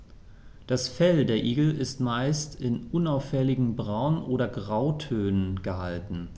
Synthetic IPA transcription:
d̥asfɛldeːɐʔiːɡl̩ɪstmaɪstɪnʔʊnaʊfɛlɪɡŋ̩bʁaʊnʔoːɾɐɡʁaʊtʰøːnənɡ̥əhaltn̩

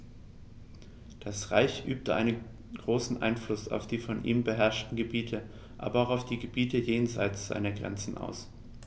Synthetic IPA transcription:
d̥asʁa̰ɪçʔyːp̚təʔa̰ɪnən | ɡ̥ʁoːsn̩ʔa̰ɪnflʊsa̰ʊfd̥iːfɔnʔḭːmbəɦɛɐʃtn̩ɡəbiːtʰə | ʔa̰ːbɐaʊxaʊfd̥iːɡəbiːtəjeːnza̰ɪt͡sz̥a̰ɪnɐɡʁɛ̰nt͡sn̩ʔa̰ʊs

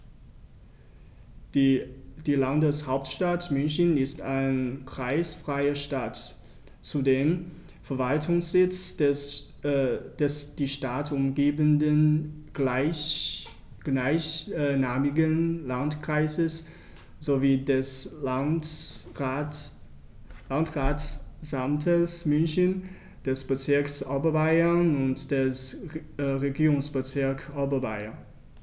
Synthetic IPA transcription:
d̥iːlandəshaʊp̚tʃtatmʏnçənɪstaɪnkʁ̥aɪsfʁ̥aɪɐʃtat | t͡sudeːm | fɛɐvaltʰʊŋsz̥ɪt͡s | d̥ɛsd̥iːʃtaːtʊmɡeːbəndən | ɡ̥laɪçnaːmɪɡənlantkʁ̥aɪzəs | z̥oviːdɛs | lantʁaːtsamtʰəsmʏnçən | d̥ɛsb̥ət͡sɪɐksʔɔbɐbaɪɐnʊntd̥ɛs | ʁeɡiːʁʊŋsb̥ət͡sɪɐkobɐba̰ɪɐn

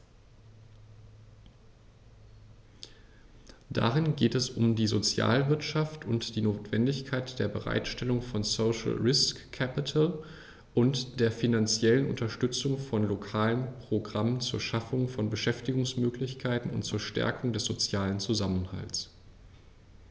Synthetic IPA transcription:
d̥a̰ʁɪnɡeːtɛsʊmdiːzot͡sja̰ːlvɪɐtʃaftʰʊntd̥iːnoːtv̥ɛndɪçkʰaɪtd̥eːɐbəʁa̰ɪtʃtɛlʊŋfɔnsoʊʃl̩ʁɪskʰːɛpɪtʰəl | ʔʊntd̥eːɐfinant͡sjɛlənʔʊ̰ntɐʃtʏt͡sʊŋfɔnlokʰaːlənpʁ̥oɡʁamənt͡suːɐʃafʊŋfɔnbəʃɛftɪɡʊŋsmøːklɪçkʰaɪtn̩ʊ̰ntt͡suːɐʃtɛ̰ɐkʰʊŋdɛsz̥ot͡sjaːlənt͡suzamənha̰ls

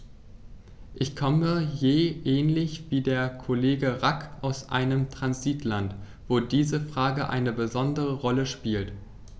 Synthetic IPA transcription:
ʔɪçkʰɔməjeːʔɛːnlɪçv̥iːdeːɐkʰoleːɡəʁakʔaʊsʔa̰ɪnəmtʁ̥anziːtlant | v̥oːdiːzəfʁ̥aːɡəʔa̰ɪnəbəzɔndəʁəʁɔləʃpiːlt

